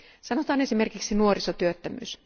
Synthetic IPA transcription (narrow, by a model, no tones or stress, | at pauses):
sɑnot̪ɑːnesime̞rkiksinuorisot̪yøt̪ːæmy̰ːs